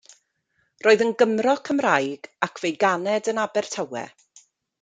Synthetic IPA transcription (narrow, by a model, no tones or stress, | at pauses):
roːɨðənɡəmrɔkʰəmrajɡ̥akʰv̥ejɡanɛdənabɛr̥tʰawɛ̰